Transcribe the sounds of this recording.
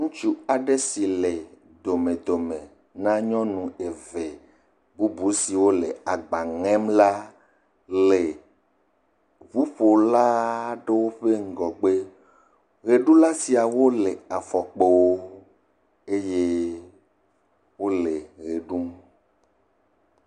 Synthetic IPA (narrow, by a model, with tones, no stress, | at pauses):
ŋũ˦t͡ʃu˦a˨ɖe˦si˨le˨ | d̪o˨mẽ˨d̪o˨mẽ˨ | nã˦ɲɔ̃˦nũ˨e˨ve˨ | bu˦bu˨˦si˨wo˦lḛ˨a˨ɡ͡ba˨ŋɛ̃˦mla˦ | le˨ | βu˦ɸo˨la˦ɖe˦wo˦ɸe˦ŋ̩˦ɡɔ˨ɡ͡be˦ | ɣe˨ɖu˦la˦si˨a˨wo˦le˨a˨fɔ˨k͡pe˨wo˦ | e˦je˦ | wo˦le˨ɣe˨ɖu˦m